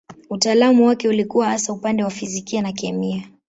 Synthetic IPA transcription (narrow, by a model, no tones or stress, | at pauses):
utaːlamuwakɛulikuwahasaupandɛwafizikianakɛmia